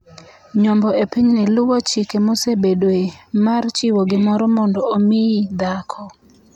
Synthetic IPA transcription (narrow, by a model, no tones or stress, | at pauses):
ɲɔmbɔepiɲnɪlʊwot͡ʃikemosebedwemart͡ʃɪwoɡɪmɔɾɔmɔndɔomɪid̪akʰɔ